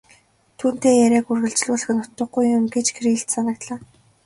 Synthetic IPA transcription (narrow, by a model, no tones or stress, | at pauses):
t̪ʰuːn̥t̪eːjæɾʲæːkurɣɘ̆ɮt͡ɕɮuːɮ̆xɘ̆nʊ̥t̪ːə̆ɡɡujːʊmɡet͡ɕkʰriːɬt̪sanə̆k̚t̪ɮaː